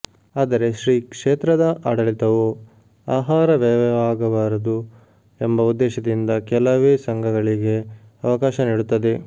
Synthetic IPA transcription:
aːd̪ɐɾe̞ʃɾiːkʂeːt̪ɾɐd̪ɐʔaːɽɐlit̪ɐʋu | aːɦaːɾɐʋɛːʋɐʋaːɡɐʋaːɾɐd̪u | embɐud̪ːɛːʃɐd̪ind̪ɐkɛlɐʋeːsɐŋɡʱɐɡɐɭiɡe̞ | ɐʋɐkaːʃɐniːɽut̪ːɐd̪e̞

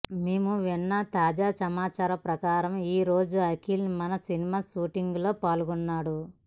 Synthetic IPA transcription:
meːmuʋinːɐt̪aːd͡ʒaːsɐmaːt͡ʃaːɾɐpɾɐkaːɾɐmiːɾo̞ːd͡ʒuɐkiːlmɐnɐsinimaːʃuːʈiŋɡlo̞ːpaːluɡunːaːɽu

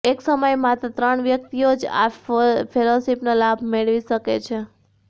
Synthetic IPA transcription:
eksəməjmat̪at̪ɾəɳʋjək̚t̪iod͡ʒa̰fʰelosipnalabʱmeɭʋiʃəket͡ʃʰe

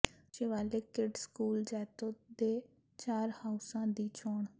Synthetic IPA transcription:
t͡ʃeːʋaːleːkɪɖskuːld͡ʒɛːt̪õːd̪eː | t͡ʃaːɾhaːʊsãːd̪iːt͡ʃʰoːɳ

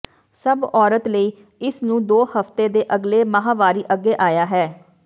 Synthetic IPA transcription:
səbɔːɾət̪ləiː | ɪsnũːd̪oːhəft̪eːd̪eːʔəɡleːməɦaːʋaːɾiːʔəɡːeːʔaːjaːɦɛː

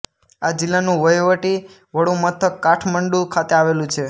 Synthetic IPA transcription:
ad͡ʒɪlːanũʋəjʋəʈi | ʋəɽũmət̪ʰəkːaʈʰməɳɖukʰat̪eaʋelũt͡ʃʰe

